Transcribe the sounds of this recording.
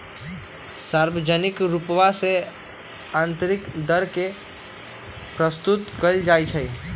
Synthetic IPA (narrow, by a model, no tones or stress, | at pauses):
saːɾʋəd͡ʒənɪkɾupʋase | ãːnt̪əɾɪkd̪əɾke | pɾəst̪ʊt̪kəid͡ʒaːit͡ʃʰəi